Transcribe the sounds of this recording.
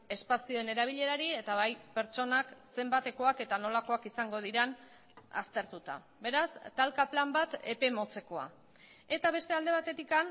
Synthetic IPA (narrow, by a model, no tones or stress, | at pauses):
e̞spasio̞e̞ne̞ɾaβ̞iʎe̞ɾaɾie̞t̪aβajpe̞ɾt͡ʃo̞nakse̞mbat̪e̞ko̞ake̞t̪ano̞lako̞akisaŋɡo̞ð̞iɾen | a̰st̪e̞ɾt̪ut̪a̰ | be̞ɾast̪alkaplambat̪e̞pe̞mo̞t͡se̞ko̞a̰ | e̞t̪aβ̞e̞st̪e̞ald̪eat̪e̞t̪ikan